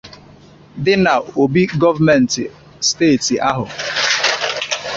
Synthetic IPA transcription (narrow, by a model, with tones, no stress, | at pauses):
dɪ˦na˨o˨bi˦ɡɔ˦va˦mɛ˨n̩˨tɪ˨ | steː˦˨tɪ˨ʔa˦ɦʊ˨